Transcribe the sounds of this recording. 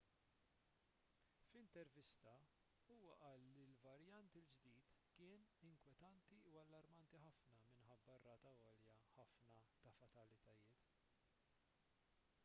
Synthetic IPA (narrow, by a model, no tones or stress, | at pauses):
fɪnt̪ɛɾvɪst̪ɐ | uːwɐʔɐːlːilvɐɾjɐnt̪ɪld͡ʒd̪iːt̪kɪːnɪŋkwɛt̪ɐnt̪iuɐlːɐɾmɐnt̪iħɐfnɐmɪnħɐbːɐrːɐːt̪ɐɔːljɐħɐfnɐt̪ɐfɐt̪ɐlɪt̪ɐjɪːt̪